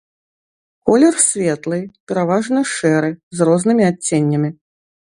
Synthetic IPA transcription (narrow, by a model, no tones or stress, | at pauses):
kɔlʲɛrsʲvʲɛt̪lˠɨpʲɛɾavaʐnɨjʂɛɾɨzrɔznɨmʲiat͡sʲːenʲːɐmʲi